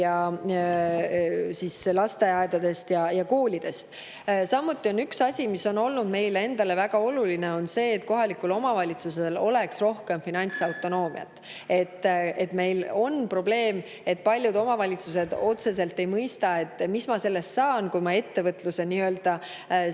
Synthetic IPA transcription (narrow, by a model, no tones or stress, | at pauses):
jɑ | siːslɑst̪e̞ɑed̪̥ɑd̪̥e̞st̪jɑjɑko̞ːlʲid̪̥e̞st̪ | sɑmːut̪ːˑio̞nyksɑsʲimisːo̞no̞lnud̪me̞jle̞nd̪̥ɑle̞væɡ̥ɑo̞lulineo̞nse̞ːt̪ko̞ɦɑlikːulo̞mɑvɑlʲit̪suselo̞le̞ksro̞hke̞mfinɑnʲt̪sɑwt̪ˑo̞no̞ːmḭɑ̰t̪ːˑ | e̞t̪ːe̞t̪me̞jlo̞npro̞b̥le̞ːm | e̞t̪̚pɑlʲjud̪o̞mɑvɑlʲit̪suse̞d̪̥o̞t̪se̞s̬e̞lt̪ːe̞jmɤjst̪ɑe̞t̪ːˑmismɑse̞lːe̞st̪sɑːnkujmɑe̞t̪ːe̞vɤt̪luse̞niø̞ld̪̥ɑ